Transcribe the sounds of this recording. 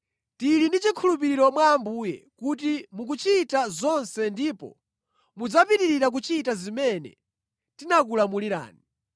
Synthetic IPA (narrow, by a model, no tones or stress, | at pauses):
tilindit͡ʃikʰulup̬iɾiɾɔmwaːmbuːjɛ̰kut̬imuk̬ut͡ʃitazɔnsɛndiːpɔ̰ | mud͡zapitiɾiɾak̬ut͡ʃitazimɛnɛ̰ | tinak̬ulamuliɾa̰ːni